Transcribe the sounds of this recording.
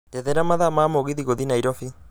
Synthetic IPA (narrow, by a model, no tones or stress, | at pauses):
dɛðɛɾamaðamaːmoɣiðiɣoðinaiɾɔfi